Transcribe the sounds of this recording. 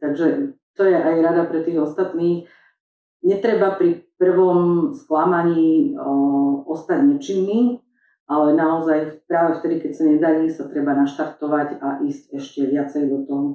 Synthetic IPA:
t̪aɡʒɛt̪ɔjɛʔajɾad̪apɾɛt̪iːɣɔst̪at̪niːx | ɲɛt̪ɾɛbapɾipr̩ʋɔmsklamaɲiː | ɔst̪aɟɲɛt͡ʃiːmi | ʔalɛnaɔzajpɾaːʋɛft̪ɛd̪ikɛcsaɲɛd̪aɾiːsat̪ɾɛbanaʃt̪aɾt̪ɔʋaɟaʔiːscɛʃcɛʋɪat͡sɛjd̪ɔt̪ɔɦɔ

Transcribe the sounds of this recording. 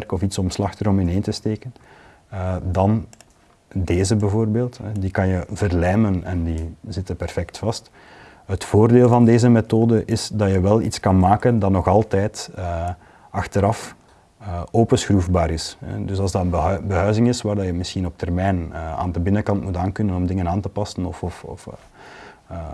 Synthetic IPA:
rkɔfitsɔmslɑxtəɾɔmɪnɦeːntəsteːkən | dɑn | deːzəbəvoːrbeːlˠtɛdikɑnjəvərlɛːmənɛ̰ndizɪtəpɛrfɛktfɑst | ɦətfoːrdeːlˠvɑndeːzəmetoːdəʔɪsdɑjəʋɛlˠḭtskɑnmaːkəndɑtnɔxɑlˠtɛːtə | ɑxtəɾɑf | oːpəsxruːfbaːɾɪsɦɛ̰dɵsɑlˠzdɑtənəbəɦœɥzɪŋɪsʋaːrdɑjəmɪsxinɔp̚tʰɛrmɛːnəa̰ːndəbɪnəkɑntmutaːnkɵnənɔmdɪŋənaːntəpɑsənɔfɔfɔ̰f

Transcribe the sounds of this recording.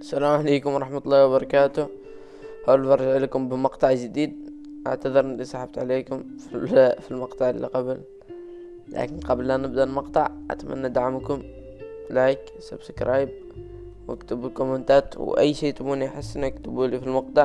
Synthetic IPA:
ʔasalaːmʕaleːkʊmɑɾˤɑħmat̪lˤːɑːwbɑɾˤɑkaːt̪ʊh | hawlfɑɾˤɑʒʕlikʊmbəmɑqt̪ˤɑʕʒɪd̪iːd̪̚ | ʔa̰ʕt̪aðɨɾʔnlisˤɑħɑb̚t̪ʕaleːkʊmfifilmɑqt̪ˤɑʕlːḭqɑbəl | lʔæ̰kɪnqɑblːænɪb̚d̪almɑqt̪ˤɑʕʔa̰t̪mʔa̰nːad̪aʕamkʊm | laʕik | sabskɾɑːjb̚ | wʔɪkt̪əbʊlkʊmənt̪aːt̪wʔæ̰jːʃiːt̪buːniʔaħɪsːʔɪnakt̪əbulifilmɑq̚t̪ˤɑʕ

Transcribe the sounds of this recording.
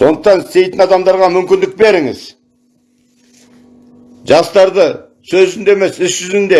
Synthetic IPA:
so̞nd̪əqt̪ɑnɪst̪e̞jt̪ɪnɑd̪ɑmd̪ɑɾʁɑmʏmkʲɪnd̪ɪk̚be̞ɾɪŋɪ̰z | ʒɑst̪ɑɾd̪ə | sɵzɪnd̪e̞me̞sɪsʒ̥ʏzɪnd̪e

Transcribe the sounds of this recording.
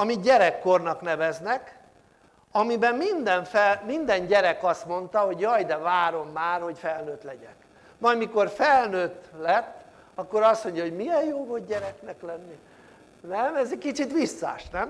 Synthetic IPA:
ɒmit̪ɟɛɾɛkːornɒknɛvɛznɛk | ɒmibɛmmind̪ɛɱfɛlmind̪ɛnɟɛɾɛkɒst̪mo̞nt̪ɒɦo̞ɟjɒjd̪ɛvaːɾo̞mːaːrho̞cfɛlnøːt̪lɛɟɛk | mɒjmiko̞rfɛlnøːt̪lɛt̪ː | ɒkːoɾɒst̪mo̞ɲɟɒɦoɟmiɛjjoːvod̪̚ɟɛɾɛknɛklɛnːi | nɛmɛzɛckit͡ʃit̪ʋisːa̰ʃnɛm

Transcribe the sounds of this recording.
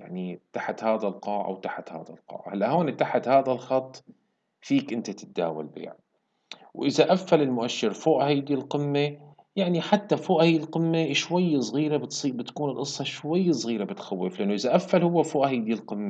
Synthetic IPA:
jaʕnit̪aħat̪haːðalqɑːʕa̰wt̪aħat̪ha̰ːða̰lqɑ̰ːʕa̰halːaʔhoːnɪt̪ːaħat̪haːðalxɑt̪ˤː | fiːkʔɪnt̪at̪ɪ̥t̪̚d̪a̰ːwa̰lbḛːʕ | wʔɪzaʔafːalɪlmʊʔaʃːɪɾfoːʔhajd̪ilqɪmːe | jaʕniħat̪ːafoːʔhajːɪlqɪmːeʃwajːsˤɣiːɾabɪt̪sˤiːbɪt̪kuːnɪlʔɨsˤːɑʃwajːsˤɣiːɾabɪt̪xawːɪflɪʔanːʊʔɪzaʔafːalhʊwːafoːʔhajd̪ilqɪmːa

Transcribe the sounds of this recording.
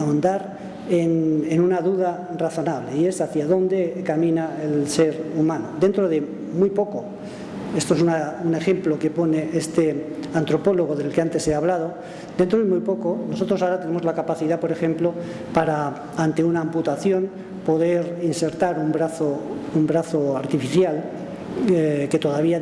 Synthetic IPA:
aond̪aɾ | enenunaðuð̞a | raθo̞naβle̞ie̞saθjaðo̞nd̪e̞kamĩnaelse̞ɾumãnod̪e̞nt̪ɾoðe̞ | mwujpo̞ko | e̞st̪oesunaune̞xe̞mplo̞ke̞po̞ne̞ʔest̪eant̪ɾo̞po̞lo̞ɣ̞oðe̞lkeant̪e̞seaβlað̞o̞ | d̪e̞nt̪ɾo̞ðemujpo̞ko̞no̞so̞t̪ɾo̞saoɾat̪e̞ne̞mozlakapaθiðapo̞ɾe̞xẽ̞mplo̞ | paɾa | ant̪e̞unaːmput̪aθjo̞n | po̞ðe̞ɾinse̞ɾt̪aɾumbɾaθoumbɾaθoaɾt̪ifiθjal | ke̞t̪o̞ðaβia

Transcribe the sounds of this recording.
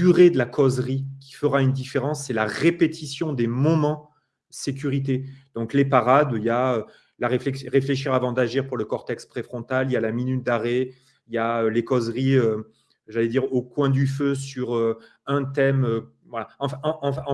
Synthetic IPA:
dyʁed̪əlakʰɔzʁikʲʰi̥fəʁaynd̪ifeʁɑ̃sːɛlaʁepet̪isjɔ̃d̪emɔmɑ̃ | əsekʲyʁit̪̬ed̪̥ɔ̃klepaʁad̪ijaø | laʁeflɛsʁefleʃ̬iʁavɑ̃d̪aʒiʁpuʁləkɔʁt̪ɛkspχefχɔ̃t̪alijalaminyt̪̚d̪aʁe | ijaølekɔzʁiø | ʒalɛd̪iʁokwɛ̃d̪yføsyʁø | ɛ̃t̪ɛmø | vwalaɑ̃fɛ̃ɑ̃ɑ̃fɛ̃

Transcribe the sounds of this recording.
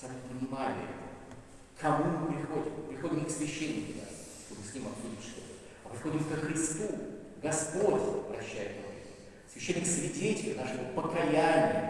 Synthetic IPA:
samʲɪpənʲɪmalʲɪ̰ | kʰɐmumɨpɾʲɪxodʲɪmpɾʲɪxo̞dʲɪmʲɪksvʲɪɕːenʲːɪkʲʊna̰s | ʂt̪obɨsʲnʲimɐt̪xodʲɪtʲʂt̪ot̪ə | ɐpɾʲɪxo̞dʲɪmkəxɾʲɪst̪u | ɡɐspo̞tʲɐpɾɐɕːæjɪt̪no̰ | svʲɪɕːenʲːɪksvʲɪtʲetʲɪlʲɪnaʂɨvopəkɐjanʲɪjə

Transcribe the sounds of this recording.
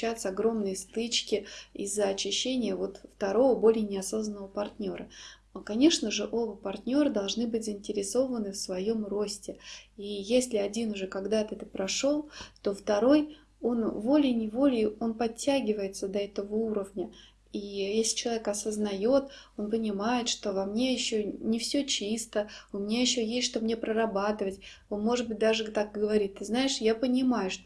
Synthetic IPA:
æt̪səɐɡɾo̞mnɨjəst̪ɨt͡ɕkʲɪizːəɐt͡ɕɪɕːenʲɪjəvo̞t̪ft̪ɐɾo̞vəbo̞lʲɪjnʲɪɐso̞znənːəvəpɐrtʲnʲo̞ɾə | kɐnʲe̞ʂnəʐɨʔobəpɐrtʲnʲo̞ɾɨd̪ɐlˠʐnɨbɨt̚ʲzəɪnʲtʲɪɾʲɪso̞vənɨfsvɐjo̞mro̞sʲtʲɪijesʲlʲɪɐdʲinʊʐɛkɐɡd̪at̪ɨɛt̪ə̥pɾɐʂo̞lˠt̪o̞ft̪ɐɾo̞j | o̞nvo̞lʲɪnʲɪvo̞lʲɪo̞npɐtʲːaɡʲɪvəjɪt̪səd̪ɐɛt̪əvəuɾəvnʲə | ijesʲlʲɪt͡ɕɪlˠɐvʲekɐsəznɐjo̞t̪o̞npənʲɪmajɪt̪ʂt̪o̞vɐmnʲe̞jɪɕːonʲɪfsʲɵt͡ɕist̪əʊmʲɪnʲajɪɕːojesʲt̪ʲʂt̪o̞bəmnʲepɾərɐbat̪ɨvətʲ | onmo̞ʐɨd̪̚bɨt̚ʲd̪aʐɨt̪ak̚ɡəvɐɾʲit̚ʲt̪ːɨznaɪʂjapənʲɪmajʊʂ

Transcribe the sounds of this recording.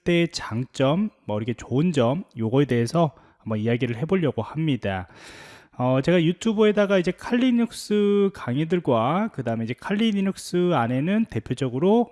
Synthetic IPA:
t͈e̞t͡ɕaŋt͡ɕ͈ʌmːaɯɾʌkʰe̞t͡ɕoɯnd͡ʑʌmjoɡʌe̞de̞ɦesʰʌ | ambʌnijaɡiɾɯɭɦe̞boʎːʌɡohamɲida | ʌt͡ɕe̞ɡajutʰubɯe̞daɡaid͡ʑe̞kʰaʎːiɲuk̚s͈ɯkaŋedɯɭɡwakɯdaɯmeid͡ʑe̞kʰaʎːiniɲuk̚s͈ɯane̞nɯnte̞pʰjod͡ʑʌɡɯɾo

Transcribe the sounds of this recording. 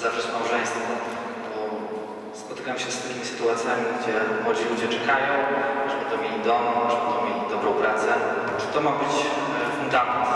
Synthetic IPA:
zafʂɛt͡ɕmawuʐɛj̃st̪fɔ̃ɔbɔ | spɔt̪ɘkamɕɛst̪ɘmʲisɘ̥t̪uat̪sʲjamʲiɡd͡ʑɛwɔd͡ʑilud͡ʑɛt͡ʂɛkajɔ̃w̃ʐɛbɛt̪ɔmʲelʲid̪ɔmɔʐɛbɛt̪ɔwmʲelʲid̪ɔbɾɔ̃w̃pɾat̪sɛ | t͡ʂɨ̥t̪ɔmabɘt͡ɕ | fund̪amɛnt̪

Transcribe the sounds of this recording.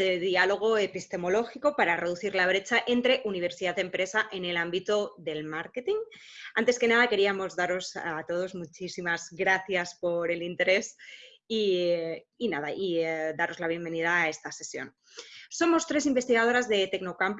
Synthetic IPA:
eðialo̞ɣ̞o̞e̞pist̪e̞mo̞lo̞xiko̞paɾare̞ð̞uθiɾlaβ̞ɾe̞t͡ʃaʔe̞nt̪ɾe̞ʔuniβ̞e̞ɾsiðaðempɾe̞saʔe̞ne̞lambit̪o̞ðe̞lmaɾke̞t̪iŋ | ant̪e̞ske̞nað̞ake̞ɾiamo̞zðaɾo̞zat̪o̞ð̞o̞zmut͡ʃisimazɡɾaθjaspo̞ɾe̞lint̪e̞ɾe̞s | iː | naðaʔid̪aɾo̞zlaβ̞je̞mbe̞niðaːe̞st̪ase̞sjo̞̰n | so̞mo̞st̪ɾe̞simbe̞st̪iɣað̞o̞ɾazðe̞t̪e̞knokamp

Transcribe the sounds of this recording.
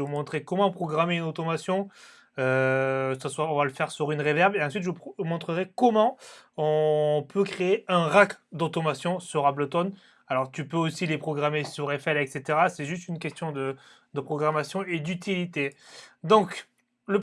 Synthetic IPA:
əvumɔ̃t̪χekɔmɑ̃pχɔɡʁameynot̪ɔmasjɔ̃ | øsaswaɔ̃valəfɛʁsyʁynʁevɛʁveɑ̃sɥit̪ʒəvupmɔ̃t̪χəʁekɔmɑ̃ɔ̃pʰøkχeːɛ̃ʁakd̪ot̪ɔmasjɔ̃syʁablot̪ɔn | alɔʁt̪ypøosilepχɔɡʁamesyʁɛfɛlɛkset̪eʁasɛʒyst̪ynkʲɛst̪jɔ̃d̪əd̪əpχɔɡʁamasjɔ̃ed̪yt̪ʰilit̪ed̪ɔ̃k | lə

